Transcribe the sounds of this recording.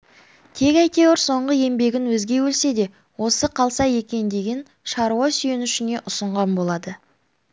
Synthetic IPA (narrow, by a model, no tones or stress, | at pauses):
t̪ʰe̞kʲæjt̪ʰe̞wɪɾso̞ɴʁəe̞mbe̞ɡʲɪnwɵzɡʲe̞wɵlse̞d̪e̞ | wo̞səqʰɑlˠsɑje̞kʲe̞nd̪e̞ɡʲɪn | ʃɑɾuwɑsyje̞nʏʃɪne̞ʔʊsəɴʁɑnbo̞lˠɑd̪ə